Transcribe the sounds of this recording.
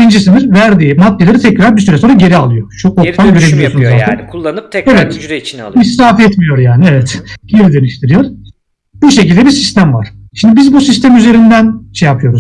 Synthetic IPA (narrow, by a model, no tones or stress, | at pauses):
ind͡ʒisinizvæɾd̪iːmat̪ːelʲˠeɾit̪ʰɛcɾaɾbis̬yɾɛsoɾaɟe̞ɾialˠɯjo̞ʃuot̪ʰanɟøɾeilʲijosunzaːt̪ʰætnːevɛt̪misɾaːfɛt̪mijo̞ɾjaːnievɛt̪ɟ̥eɾid̪eniʃt̪ʰiɾijoɾ̥ | buʃecilʲd̪ɛbiɾsist̪ʰæmva̰ɾ̥ʃimd̪ibizbusist̪ʰæmyze̞ɾind̪ænʃejapʰɯjo̞ɾuz